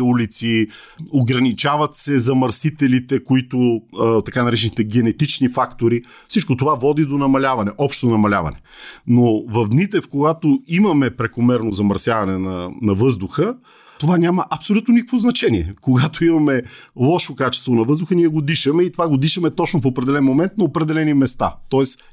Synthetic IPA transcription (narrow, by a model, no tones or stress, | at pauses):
ulit̪si | oɡɾɐnit͡ʃavɐt̪sɛzɐmɐɾsit̪ɛlit̪ɛkoit̪ot̪ɐkanɐɾɛt͡ʃɛnit̪ɛɡɛnɛt̪it͡ʃnifakt̪oɾi | fsit͡ʃkot̪ovavɔd̪id̪onɐmɐlʲavɐnɛʔɔpʃt̪onɐmɐlʲa̰vɐ̰nɛnovɐvd̪nit̪ɛfkoɡat̪oimɐmɛpɾɛkomɛɾnozɐmɐɾsjavɐnɛnɐnɐvɤzd̪ʊxə | t̪ovanʲaməʔɐpsolʲut̪nonikə̥kvoznɐt͡ʃɛniɛkoɡat̪oimɐmɛlˠɔʃokat͡ʃɛ̥st̪vonɐvɤzd̪ʊxəniɛɡod̪iʃɐmɛit̪ovaɡod̪iʃɐmɛt̪ɔt͡ʃnofopɾɛd̪ɛlɛnmomɛnt̪̚nɐopɾɛd̪ɛlɛnimɛst̪a̰t̪ɔɛs